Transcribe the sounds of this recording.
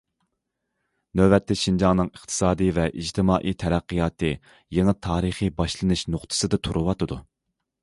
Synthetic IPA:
nøbɛt̪ʰːɛʃind͡ʒɑŋnɨŋɨχt̪ʰɨ̥sɑːd̪ɨvɛʔid͡ʒt̪ʰɨmɑːʔijt̪ʰɛɾɛqːijɑːt̪ʰɨ | jeŋɨt̪ʰɑːɾɨχibɑʃlˠɨnɨʃnoχt̪ʰɨ̥sɨd̪ɨt̪ʰuɾɨwɑt̪ɨd̪u

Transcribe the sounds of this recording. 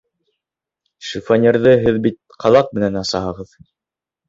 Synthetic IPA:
ʃifanʲeɾðɤɦɘðbit̪̚qʰɑlˠɑq̚mɘ̆nænɑsɑɦɤ̆ʁɤð

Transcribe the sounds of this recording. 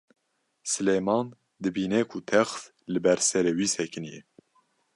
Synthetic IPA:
sɨlemɑːn | d̪ɨbiːnɛkʰut̪ʰɛxs | lɨbɛɾsɛɾeːwiːsɛkʰɨnijɛ̰

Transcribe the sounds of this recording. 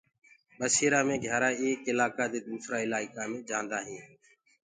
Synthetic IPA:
ɓəseːɾaːmẽːɡʱjaːɾaːeːkɪlaːkaːd̪eːd̪uːsɾaːɪlaːɪkaːmẽːd͡ʒãːnd̪aːɦĩː

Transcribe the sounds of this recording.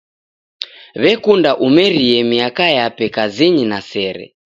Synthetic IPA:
βɛkundaʔumɛɾiɛmiakajapɛkaziɲinasɛɾɛ̰

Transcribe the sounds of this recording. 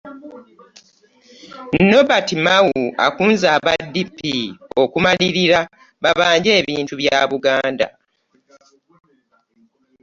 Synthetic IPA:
no̞batimawua̰kuːnzaːβadːipːio̞kumaliɾiɾa | βaβaːɲɟe̞ːβiːntuβjaːβuɡaːnda̰

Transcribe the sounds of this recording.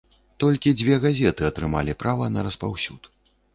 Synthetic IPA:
t̪ɔlʲkʲid͡zʲvʲɛɣazʲɛt̪ɨɐt̪ɾɨma̰lʲipɾavɐnɐɾɐspawsʲut̪

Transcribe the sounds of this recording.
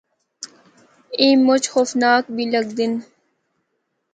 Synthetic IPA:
ĩːmʊt͡ɕxoːfnaːk̚biləɡ̚d̪in

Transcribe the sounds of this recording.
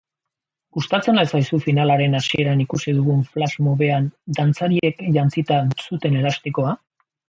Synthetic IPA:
ɡust̪at͡se̞naesajsufinalaɾe̞nasie̞ɾanikusiðuɣ̞uɱflazmoβe̞and̪ant͡saɾie̞kʎant͡sit̪asut̪e̞ne̞last̪iko̞a

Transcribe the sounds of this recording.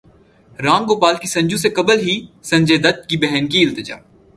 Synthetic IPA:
ɾãːŋɡoːpaːlkisɐ̃ɲd͡ʒũsekɐbəlɦisɐ̃ɲd͡ʒed̪ɐt̪̚kibɛɦɛnkiɪlt̪ɪd͡ʒa̰ː

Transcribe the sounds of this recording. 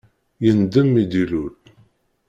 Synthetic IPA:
jənd̪əmːid̪iluɾ

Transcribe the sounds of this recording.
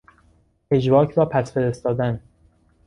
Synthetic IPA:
e̞d͡ʒbɒːcʰɾɒːpʰæsfe̞ɾest̪ɒːd̪æn

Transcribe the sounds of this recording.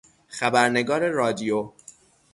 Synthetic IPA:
xæbæɾne̞ɡɒːɾe̞ɾɒːd̪ijo

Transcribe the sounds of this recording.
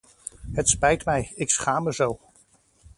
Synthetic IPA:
ɦətspɛjtmɛjɪksχaːməzow

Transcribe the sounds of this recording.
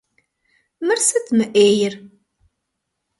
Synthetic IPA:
məɾsæt͡sːməʔejəɾ

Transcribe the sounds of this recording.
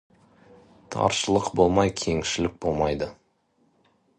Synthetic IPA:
t̪ʰɑ̰ɾʃəlˠəqbo̞lˠmɑjkʲʰe̞ŋʃɪlɪk̚bo̞lˠmɑjd̪ə

